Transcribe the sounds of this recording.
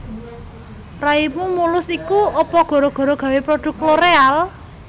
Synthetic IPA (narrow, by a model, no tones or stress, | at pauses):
raipumulʊsikuɔpɔɡ̥ɔ̤ɾɔɡ̥ɔ̤ɾɔɡ̥ä̤wepɾoɖ̥ṳkloɾeal